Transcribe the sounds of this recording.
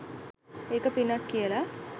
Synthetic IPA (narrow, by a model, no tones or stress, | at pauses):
eːkɐpinːakːijəla